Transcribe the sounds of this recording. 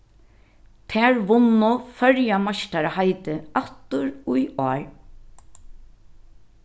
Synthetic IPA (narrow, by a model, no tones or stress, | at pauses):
t̪ʰɛːɹʋʊnːʊfœɹjamaʃʈ̪aɹhaɪt̪əʔat̪ʊɹʊjɔːɹ